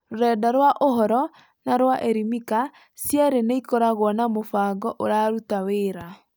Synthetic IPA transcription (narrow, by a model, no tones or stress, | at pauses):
ɾoɾɛːdaɾwaʔoɦɔɾɔ | naɾwaʔɛɾimika | sjɛɾeneikɔɾaɣwɔnamofaːɡɔʔoɾaːɾutaweɾa